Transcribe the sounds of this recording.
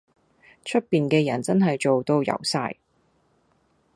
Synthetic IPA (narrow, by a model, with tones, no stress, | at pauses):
t͡ʃʰɵ˥t̚piː˨nkɛː˧jɐ˨˩nt͡sɐ˥nɦɐ˨jt͡ʃo˨wt̪o˧wjɐ̰˨˩wsa̰ː˧j